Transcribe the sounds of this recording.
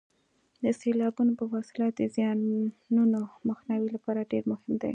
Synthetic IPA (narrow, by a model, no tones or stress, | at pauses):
d̪əselɑbunopəfɑsɪlɑt̪̚d̪əzjɑnunoməxnɑwilapɑɾaɖeɾmʊhɪmd̪a̰j